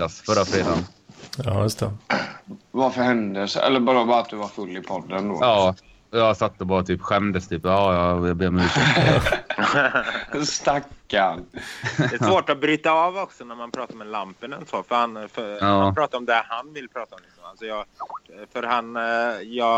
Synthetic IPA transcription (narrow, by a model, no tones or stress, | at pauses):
asfœɾːafɾeːd̪an | ɑjɵst̪ʰɛ | vaɾfœɾhɛnd̪əsɛ̰lːəɾbɑːɾabɑːɾat̪̚d̪ɵvaɾfɵlːɪpʰɔd̪ːənd̪o̰ɑː | ɔjɑɡsat̪ːɔbɑːɾat̪ʰyːpɧɛmd̪əst̪ʰyːpɑːjɑjɑbeːmʉːs | st̪akːandɛːsvoːʈɔbɾyːt̪aɑːvɔksɔnæɾmanpʰɾɑːt̪aɾmɛlampənɛnsoːfœɾhanfœɾɑːmapɾɑːt̪aɾɔmd̪æhanvɪlːpʰɾɑːt̪aɔmlɪksɔma̰lsɔjɑɡfœɾhanjɑː